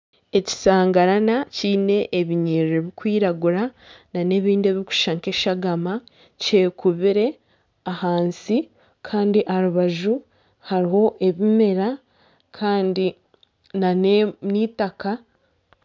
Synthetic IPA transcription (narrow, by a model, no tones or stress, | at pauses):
e̞ci̥saːŋɡaɾanaciːne̞ʔːβiɲiːɾɾeβikwiːɾaɡuɾa | nane̞ːβiːndieːβiku̥ʃaŋke̞ʃaɡama | ce̞ːkuβiɾe̞ | ahaːnsi | kʰaːndiʔaɾuβaʒu | haɾiho̞ʔe̞βime̞ɾa | kʰaːndi | naneniːtaka